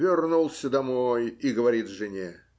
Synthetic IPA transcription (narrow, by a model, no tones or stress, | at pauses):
vʲɪrnulˠsʲəd̪ɐmojiɡəvɐɾʲit̪ʐɨnʲe